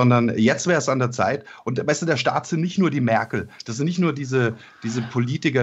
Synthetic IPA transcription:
ɔndɐnjɛt͡stv̥ɛːʁəsandeːɐt͡sa̰ɪtʔʊntvaɪstuːdeɐʃta̰ːtz̥ɪntnɪçtnuːɐdiːmɛɐkl̩d̥asz̥ɪntnɪçtnuːɐdiːzə | d̥iːzəpʰoliːtɪkɐ

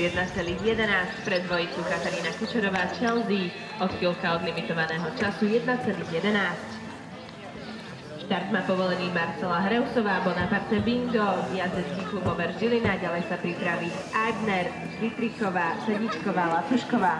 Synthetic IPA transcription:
jɛd̪̚nat͡sɛliːɣjɛd̪ɛnaːscpɾɛd̪ʋɔjikukat̪aɾiːnakɔt͡ʃɛɾɔʋaːt͡ʃɛld̪i | ɔt̪filˠkaɔd̪limit̪ɔʋanɛːɦɔt͡ʃasujɛd̪̚nat͡sɛliːɣjɛd̪ɛnaːsc | ʃt̪aɾd̪maːpɔʋɔlɛniːmaɾt͡sɛlaɦɾɛʊsɔʋaːbɔnapaɾt̪ɛbiŋɡ̪ɔvijad̪ɾɛt͡skiːklubɔʋɛɾʒɟilinaɟalɛjsapɾipɾaʋi | ʔajd̪nɛɾ | ɾit̪ɾikɔʋaːsɛɟit͡ʃkɔʋaːlat̪uʃkɔʋaː

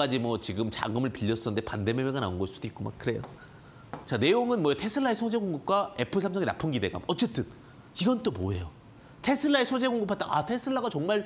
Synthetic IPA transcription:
ad͡ʑimwʌt͡ɕiɡɯmt͡ɕa̰ɡɯmɯɭpiʎːʌs͈ʌnɯndepandememjeɡanaunɡʌs͈ud̥oit̚k͈oma̰k̚k͈ɯɾe̞jo̰ | t͡ɕane̞joŋɯnmwʌjetʰe̞sʰɯɭːaesʰod͡ʑeɡoŋɡɯp̚k͈wae̞pʰɯsʰamsʰʌŋinapʰɯnɡide̞ɡa̰mʌt͡ɕ͈e̞t͈ɯn | iɡʌnt͈omoɦe̞jo | tʰe̞sʰɯɭːaesʰod͡ʑeɡoŋɡɯpʰat͈aatʰe̞sʰɯɭːaɡat͡ɕʌŋmaɭ

